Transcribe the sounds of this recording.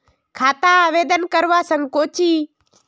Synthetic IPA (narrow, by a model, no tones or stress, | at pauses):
kʰaːt̪aːʋeːd̪ənkəɾʋaːsəŋɡkoːt͡ʃiː